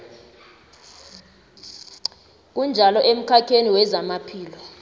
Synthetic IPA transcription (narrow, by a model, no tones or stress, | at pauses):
k̬und͡ʒʱalɔʔem̩kʰakʰeniwɛzamapʰiːlɔ